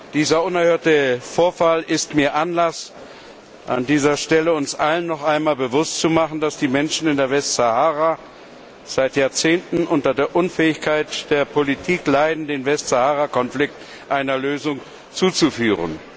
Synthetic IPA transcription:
d̥iːzɐʊnɛɐhøːɐtəfoːɐfalɪstmiːɐʔanlas | ʔa̰ndiːzɐʃtɛləʊnsʔalənːɔχʔaɪnmaːlbəvʊstt͡sumaχn̩dasd̥iːmɛnʃn̩ɪndeːɐvɛstz̥ahaːʁa | z̥aɪtjaːɐt͡seːntn̩ʔʊntɐdeːɐʔʊnfɛːɪçkʰaɪtd̥eːɐpʰolitʰiːklaɪdn̩deːnvɛstz̥ahaːʁakɔnflɪk̚t | ʔaɪnɐløːzʊŋ | t͡suːt͡sufyːʁə̰n

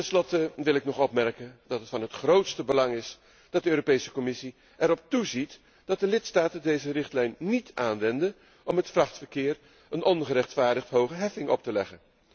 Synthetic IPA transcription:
tɛnslɔtəʋɪlˠɪknɔχɔpmɛɹkəndɑtɦətfɑnɦətχrowtstəbəlɑŋɪs | d̥ɑt̚dəøːropejsəkɔmɪsi | ɛɾɔp̚tuzit | d̥ɑt̚dəlɪtstaːtədejzərɪχtlɛjnːitʔaːnʋɛndə | ɔmətfrɑχtfəɹkɪːɹ | ənɔnχəɾɛχtfaːɹdəχtɦowχəɦɛfɪŋʔɔ̰p̚təlɛχən

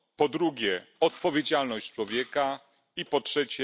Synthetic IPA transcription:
pɔd̪ɾuɡʲjɛɔt̪̚pɔvʲjed͡ʑalnɔɕt͡ɕt͡ʂwɔvʲjɛka | ipɔtʂɛt͡ɕɛ

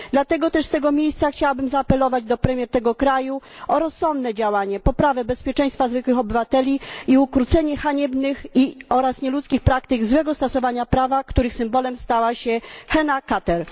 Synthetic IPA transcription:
d̪lat̪ɛɡɔt̪ɛʂst̪ɛɡɔmʲjejst̪saxt͡ɕawabɘmzaːpɛlɔvad͡ʑd̪ɔpɾɛmʲjɛɾt̪ɛɡɔkɾaju | ɔɾɔsːɔnd̪nɛd͡ʑawaɲɛpɔpɾavɛbɛspʲjɛt͡ʂɛ̃j̃st̪fazvɘkwɘxɔbɘvat̪ɛlʲiiukɾut̪sɛɲɛxaɲɛbnɘxiɔɾasɲɛlut̪skʲixpɾakt̪ɘɡzwɛɡɔst̪ɔsɔvaɲapɾavakt̪uɾɘxsɘmbɔlɛmst̪awaɕɛxɛnakat̪ɛɾ

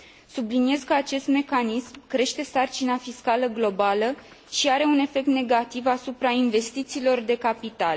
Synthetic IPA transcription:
sublinije̞zkəat͡ʃe̞st̪me̞kanismkɾe̞ʃt̪e̞sart͡ʃinafiskaləɡlo̞balə | ʃiaɾe̞une̞fe̞k̚t̪ne̞ɡat̪ivasupɾainve̞st̪it̪siːlo̞rd̪e̞kapit̪al

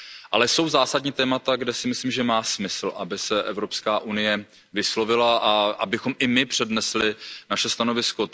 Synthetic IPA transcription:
ʔa̰lɛso̞wzaːsadɲiːt̪ɛːmat̪aɡdɛsɪmɪsliːmʒɛmaːsmɪsl̩ʔabɪsɛʔɛvɾo̞pskaːʔunɪjɛ | vɪslo̞vɪlaʔaʔa̰bɪxo̞mʔɪmɪpr̝̥ɛdnɛslɪnaʃɛst̪ano̞vɪsko̞

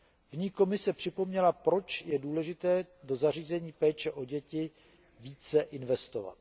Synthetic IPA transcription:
vɲiːko̞mɪsɛpr̝̥ɪpo̞mɲɛlapɾo̞t͡ʃjɛduːlɛʒɪt̪ɛːdo̞zar̝iːzɛɲiːpɛːt͡ʃɛʔo̞ɟɛcɪ | viːt͡sɛʔɪnvɛst̪o̞va̰t̪̚

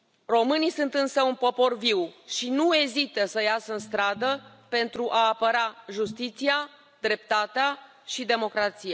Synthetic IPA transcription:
ro̞mɨnisunt̪ɨnsəunpo̞po̞rviwʃinue̞zit̪əsəjasəɨnst̪ɾad̪ə | pe̞nt̪ɾuʔaːpəɾaʒust̪it̪sia | d̪ɾe̞p̚t̪at̪ea | ʃid̪e̞mo̞kɾat̪sija

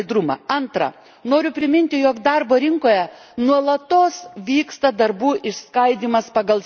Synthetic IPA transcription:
d̪ɾʊmɐ̰ɐnt̪ɾɐ̰ | noːɾʲʊpʲɾʲɪmʲɪnʲt̪ʲɪjoːkd̪ɐɾboːɾʲɪŋkoːjɛ | nuɔlˠɐt̪oːsʋʲiːkst̪ɐd̪ɐɾbuːʔɪʃskɐɪd̪ʲiːmɐspɐɡɐlˠ

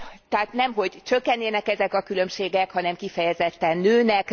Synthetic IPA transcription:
t̪ɛaːt̪nɛmɦo̞ɟt͡ʃø̞kːɛnːeːnɛkɛzɛkɒkylø̞mʃeːɡɛkhɒnɛmkifɛjɛzɛt̪ːɛnːøːnɛk

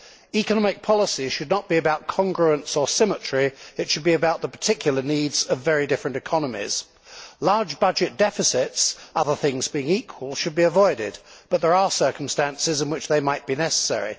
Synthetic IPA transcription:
ikənɑmɪk̚pʰɑlˠəsi̥ʃɨdⁿnət̚b̥iɨbaʊt̚kʰɑ̃ŋɡɹəə̃nsəsɪmət͡ʃɹ̥iɨtʃɨd̚biɨbaʊt̪̚ðəpʰə̥tʰɪkʰjl̩ˠənidz̥ʌvɛɹidɪfɹɨ̃ntɨkʰɑnəmḭz̥ | lɑɹd͡ʒbʌd͡ʒɨt̚d̥ɛfɨsɪtsʌðəθɪ̃ŋzbiɪ̃ŋiˑkʰwəlˠʃɨd̚biəvɔɪɾɪd̚b̥ʌt̪̚ðə˞əsɜˑ˞kəm̩stæ̃nsɪzɨ̃nwɨt͡ʃðeɪmaɪt̚b̥inɛsə̥sɛ̰ɹḭ

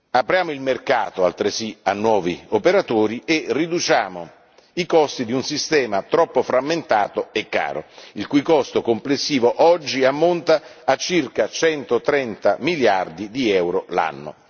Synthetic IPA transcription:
apɾjaːmoilmerka̰ːt̪oa̰lt̪ɾesianːwɔːviopeɾat̪oːɾierːid̪ut͡ʃaːmo | ikɔst̪id̪iunsist̪ɛːmat̪ɾɔpːofɾamːent̪aːt̪oɛkːa̰ːɾo̰ilkujkɔst̪okomplesːiːvoʔɔd͡ʒːiamːont̪aːt͡ʃːirkat͡ʃɛnt̪ot̪ɾɛnt̪amiljard̪id̪iɛwɾola̰nːo̰

